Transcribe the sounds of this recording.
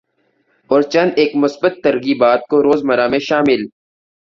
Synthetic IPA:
ɔːɾt͡ʃɐ̃nd̪eːkmʊsbət̪ːɐɾɣiːbaːt̪̚koɾoːzmɐɾamẽʃaːmɪl

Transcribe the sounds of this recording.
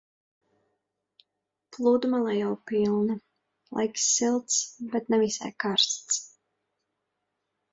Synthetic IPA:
plˠuːd̪umalˠajawpilˠnɨ | lˠa̰jksːilˠt̪sbɛt̪nɛvisa̰jkaɾst̪s

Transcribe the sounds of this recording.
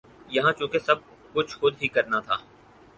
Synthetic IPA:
jɐɦãt͡ʃũːkesɐb̚ | kʊt͡ʃʰxʊd̪ɦikɐɾnat̪ʰa̰ː

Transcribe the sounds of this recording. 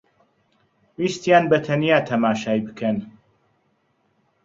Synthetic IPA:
wist̪jaːnbɐt̪ʰɐnijaːt̪ʰɐmaːʃaːjbɨkʰɐn

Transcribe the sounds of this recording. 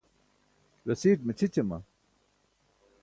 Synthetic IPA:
ɾɐsiːʈ̚met͡ɕʰit͡ɕemɐ̰

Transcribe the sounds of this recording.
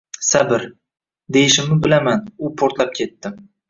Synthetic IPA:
sabɪɾ | d̪e̞jɪʃɪmnɪbɪlamanʊpʰoɾt̪lap̚kʲʰe̞t̪ːɪ

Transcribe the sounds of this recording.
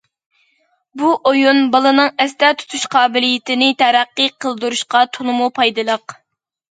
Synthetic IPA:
buʔojunbɑlˠɨnɨŋɛst̪ɛt̪ʰu̥t̪ʰuʃqʰɑːbɪlijɪt̪ɪnɪt̪ʰɛɾæqːɨqʰəlˠd̪uɾuʃqɑt̪ʰonɨmupʰɑjd̪ɨlˠəq

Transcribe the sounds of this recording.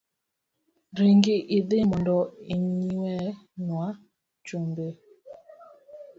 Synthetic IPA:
ɾiŋɡiʔidɪmɔndɔiɲiwɛnwa | t͡ʃumbe

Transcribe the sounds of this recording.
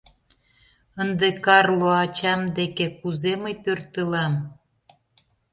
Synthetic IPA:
ənd̪ekɑrloɑt͡ɕɑmd̪ekekuzeməjpørt̪əlɑm

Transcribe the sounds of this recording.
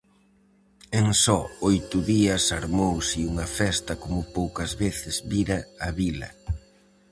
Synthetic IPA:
eŋsɔojt̪ʊðiɐsaɾmowsiuŋɐfɛst̪ɐkomʊpowkɐzβeθɪzβiɾɐːβilɐ̰

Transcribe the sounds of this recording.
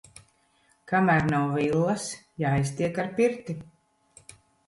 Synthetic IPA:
kamæːɾnawvilˠːɐsjaːjst̪iɛkaɾpiɾt̪i

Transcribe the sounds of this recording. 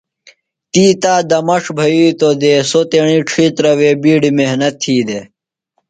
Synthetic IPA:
t̪iːt̪aːd̪ɐmɐʂbʱɐjiːt̪od̪eːsot̪eɽ̃iːʈ͡ʂʰiːt̪ɾɐweːbiːɖimeɦnɐt̪ʰːiːd̪e

